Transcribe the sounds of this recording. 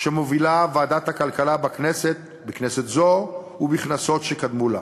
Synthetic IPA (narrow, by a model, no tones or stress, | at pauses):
ʃemovilavaːd̪at̪hakalkalabakneset̪̚ | bekneset̪zo | ubiχnaso̞tʃekad̪mula̰